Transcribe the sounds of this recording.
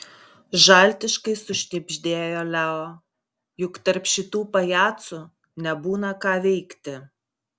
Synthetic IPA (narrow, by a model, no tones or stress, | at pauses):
ʒɑˑlʲt̪ʲɪʃkɐɪsʊʃʲnʲɪbʲʒʲd̪ʲeːjoːlʲæoː | jʊkt̪ɐɾpʃʲɪt̪uːpɐjæːt̪sʊ | nʲɛbuːnɐkɑːʋʲɛɪkt̪ʲɪ